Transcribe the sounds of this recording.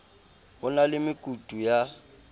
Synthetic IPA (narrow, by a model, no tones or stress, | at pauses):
ɣʊnalɪmɪkʼutʼuja